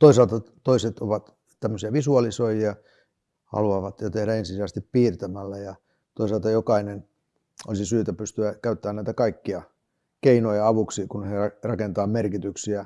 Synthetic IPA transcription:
t̪oisɑlt̪ɑt̪oiset̪oʋɑt̪ | t̪æmːøsiɑʋisuɑlisoijiɑ | hɑ̰luɑʋɑt̪jot̪ehdæensisiæst̪ippiːrt̪æmælːæjɑ | t̪oisɑlt̪ɑjokɑinen | o̰lisisyːt̪æpyst̪yækæyt̪ːæːnæˑit̪ækɑikːiɑ | keinojɑɑʋuksikunheɑrɑkent̪ɑːmerkit̪yksiæ

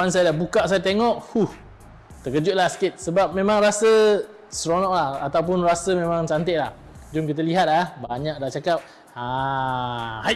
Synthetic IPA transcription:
ansajadabukaʔsajat̪eŋɔʔhuh | t̪əkəd͡ʒʊt̪̚lahsə̥kɪt̪̚səbap̚mẽmãŋrasə | sɾonɔʔ̚lahat̪awp̬ʊnrasəmẽmãŋt͡ʃant̪eʔlah | d͡ʒʊmk̬it̪̬aliɦat̪̚ahbaɲãk̚daht͡ʃakap̚ | a | haj

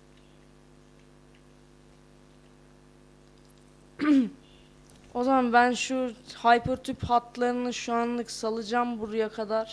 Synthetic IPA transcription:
o̞zamanbænʃuhajpʰøɾt̪ʰyphat̪lˠaɾɯnɯʃuanlˠɯksalˠɯd͡ʒambuɾujakʰad̪aɾ̥

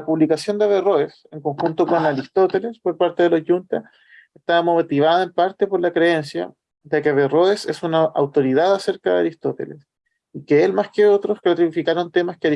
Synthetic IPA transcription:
apuβlikasjo̞nd̪aβero̞eseŋkoŋxunt̪o̞ko̞naɾist̪ot̪ele̞spo̞ɾpaɾt̪eðeloʝunt̪a | eht̪amot̪iβaðaempaɾt̪epo̞ɾlakɾee̞nsja̰ | ðekeaβero̞esesunaʔawt̪o̞ɾiðaðase̞ɾkaðea̰ɾist̪ot̪e̞̰lḛs | ikeelmaskeot̪ɾosklat̪iifikaɾo̞nt̪e̞maskea

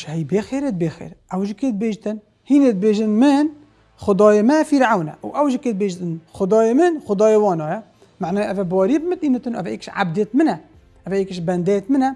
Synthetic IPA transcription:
ʃhæjbexeɾət̪̚bexḛːɾʔawʒket̪̚beːʒt̪ɪn | hiːnet̪̚beːʒɪnmɪn | xʊd̪ˤɑːjɑmæfiɾʕawna̰wʔæwʒkeːt̪̚beʒt̪ənxʊd̪ˤɑːjɑmɪnxʊd̪ɑːjwɑːnɑja | maʕnɑːʔæfæbɑːɾibmɪt̪ʔiːnat̪ənʔæ̰fʔeːkʃʕa̰bd̪et̪mɪnæ | ʔæfæʔeːkɪʃbænd̪eːt̪mɪnæ

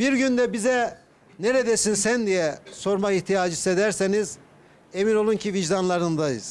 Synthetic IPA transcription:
biɾɟynd̪ɛbizɛ | ne̞ɾed̪esinsænd̪ijɛso̞ɾmakiht̪ʰijaːd͡ʒɯse̞d̪æɾseniz | e̞mino̞lˠuncʰiviʒd̪anlˠaɾɯnd̪ajɯ̰z̥

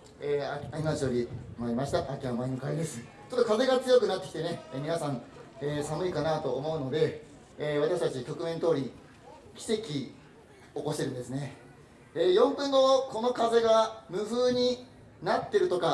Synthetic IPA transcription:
eːaaimaʑioɾʲimaɾʲimaɕi̥t̪aʔakʲiβamainokaid̪e̞sɨ̥ | t͡ɕot̪ːokaze̞ɡat͡sɨjo̞k̬ɯ̟nat̪ːe̞kʲit̪e̞ne̞eːmʲinasãɴeːsamɯ̟ikanat̪o̞ːmo̞ɯ̟no̞d̪e̞ː | β̞at̪aɕi̥t̪at͡ɕikʲo̞kɯ̟mẽ̞nt̪o̞ːɾʲi | kʲi̥se̞kʲi | okoɕit̪eɾɯ̟̃nd̪esɨne̞ | ejõ̞mpɯ̃ŋɡo̞ko̞no̞kaze̞ɡamɯ̟ɸɯːɲ̟i | nat̪ːe̞ɾɯ̟t̪o̞ka

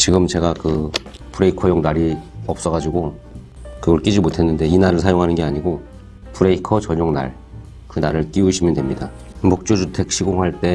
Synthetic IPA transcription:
t͡ɕiɡɯmt͡ɕe̞ɡakɯ | puɾe̞ikʰʌjoŋnaɾiʌp̚s͈ʌɣad͡ʑiɡo | kɯɡʌɭk͈id͡ʑimotʰe̞nːɯnde̞inaɾɯɭsʰajoŋɦanɯnɡe̞aɲiɡo | puɾe̞ikʰʌt͡ɕʌɲoŋna̰ɭ | kɯnaɾɯɭk͈iuɕʰimjʌndwe̞mɲida | mok̚t͡ɕ͈od͡ʑutʰe̞k̚ɕʰiɡoŋɦaɭt͈e̞

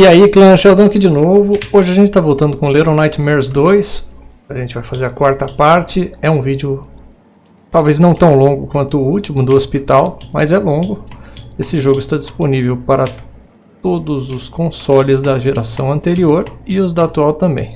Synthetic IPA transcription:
ɪaiklɐ̃ʃawd̪ɐ̃w̃kɪd͡ʒɪnovʊoʒɪaɐʒẽnt͡ʃɪ̥t̪avowt̪ɐ̃nd̪ʊkõleɾõnajt͡ʃɪmɛɾzd̪ojs | aʒẽnt͡ʃɪvajfazeɾɐkwaɾt̪ɐpaɾt͡ʃɪɛũvid͡ʒʊ | t̪awvejznɐ̃w̃t̪ɐ̃w̃lõɡʊkwɐ̃nt̪ʊːut͡ʃimʊd̪ʊospit̪awmɐ̰zɛlõɡʊesɪʒoɡʊɪst̪ad͡ʒisponivewpaɾɐ | t̪od̪ʊzʊskõsɔlɪzd̪ɐʒeɾasɐ̃w̃ɐ̃nt̪eɾioɾɪʊzd̪ɐat̪uawt̪ɐ̃mbḛ̃j̃

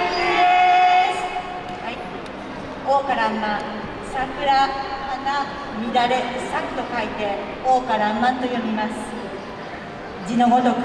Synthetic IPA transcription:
d̪es | hai | oːkaɾamːã | sakɯ̟ɾaːna | mʲid̪aɾesakɯ̟̥t̪o̞kait̪e̞ | oːkaɾamːãnt̪o̞jo̞mʲimasɨ̥ | d͡ʑinoɡot̪o

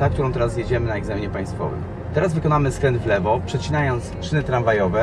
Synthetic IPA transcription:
ak̚t̪uɾɔ̃w̃t̪ɛɾasjɛd͡ʑɛmɘnaɛɡzɛmʲɲɛpaj̃st̪fɔ̰vɘ̰m | t̪ɛɾazvɘkɔnamɘskɾɛnd̪vlɛvɔpʂɛt͡ɕinajɔnt̪sʂɘnɘt̪ɾanvajɔvɛ

